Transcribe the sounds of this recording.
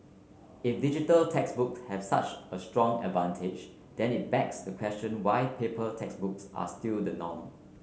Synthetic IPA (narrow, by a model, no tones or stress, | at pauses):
ɪfdid͡ʒitəltʰɛksbʊkshɛv̥sa̰t͡ʃəstɹɔ̃ŋɛ̰dvãntʰɪd͡ʒ | d̥ɛ̃nɪt̚bɛksdəkʰw̥ɛst͡ʃə̃nwaɪpʰepəltʰɛksbʊksʔa̰stildənɔ̰̃m